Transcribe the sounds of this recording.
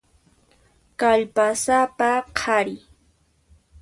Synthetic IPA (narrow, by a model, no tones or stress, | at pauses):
kaʎpasapaqʰaɾɪ